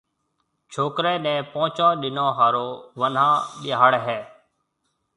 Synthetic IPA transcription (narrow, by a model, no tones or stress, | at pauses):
t͡ʃʰoːkɾeːnɛ̃ːpõːt͡ʃãːɗɪnõːɦaːɾoːʋənãːɗɪaːɽɦeː